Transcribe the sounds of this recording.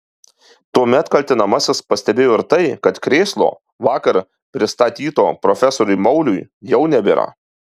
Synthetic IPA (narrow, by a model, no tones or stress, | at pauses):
t̪uɔmʲɛt̪kɐlʲt̪ʲɪnɐmɐsʲɪspɐsʲt̪ʲɛbʲeːjoːɪɾt̪ɐɪkɐt̪kɾʲeːslˠo̰ː | ʋɑːkɐɾ | pʲɾʲɪst̪ɐt̪ʲiːt̪oːpɾɔfʲɛsoːɾʲʊɪmɒʊlʲʊjjɛʊnʲɛbʲeːɾɑ̰